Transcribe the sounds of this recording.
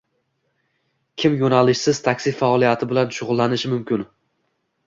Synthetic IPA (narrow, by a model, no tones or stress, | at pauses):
kʲʰɪmjonalɪʃsɪzt̪ʰakʲsɪfaɒlˠijat̪ʰɪbɪlanʃʊʁʊlˠːanɪʃɪmʊmkʲɪn